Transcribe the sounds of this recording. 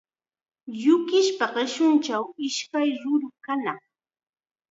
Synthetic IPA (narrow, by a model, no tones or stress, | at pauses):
jʊkɪʃpaɢɪʃʊnt͡ʃawɪʃkajɾʊɾʊkanaŋ